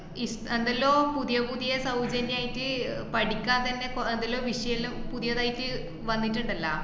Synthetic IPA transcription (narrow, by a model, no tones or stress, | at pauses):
isend̪ɐlːo̞ːpuðijɐbuðijɐsɐwd͡ʑɐnjaːjitːɨpɐɽikʲːaːnt̪ɐnːe̞kend̪ɐlːo̞ːʋiʂɐjɐlumpuðijɐðaːjitːɨ | ʋɐnːitːuɳɖɐlːɐ̰